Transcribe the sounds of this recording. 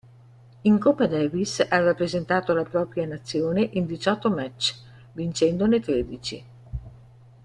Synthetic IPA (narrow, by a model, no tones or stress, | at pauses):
iŋkopːad̪ɛvisarapːɾezent̪aːt̪olapɾɔːpɾjanat̪sːjoːneʔind̪it͡ʃɔt̪ːomɛt͡ʃː | vint͡ʃɛnd̪onet̪ɾeːd̪it͡ʃḭ